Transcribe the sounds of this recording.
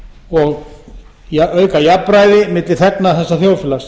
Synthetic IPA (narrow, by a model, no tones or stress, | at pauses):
ɔɣ | jaœːɥkajapːɾaːjðɪmɪːt̪lɪ̥θɛknaθɛsːaθjoːwfɪlas